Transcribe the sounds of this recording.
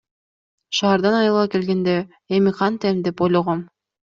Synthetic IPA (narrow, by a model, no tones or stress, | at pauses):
ʃɑːɾd̪ɑnɑjɯlˠɑkelɡend̪e | emiqʰɑnt̪emd̪epojlˠoʁom